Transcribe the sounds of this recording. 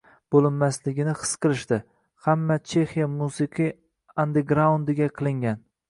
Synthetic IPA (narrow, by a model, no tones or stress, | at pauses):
b̥olˠɪnmaslɪɡʲɪnɪχɨ̥sqɨlˠɪʃt̪ɪ | hamːat͡ʃʰe̞xijamusɨqʰij | and̪eɡɾaund̪ɪɡʲaqʰɨlˠɪŋɡʲan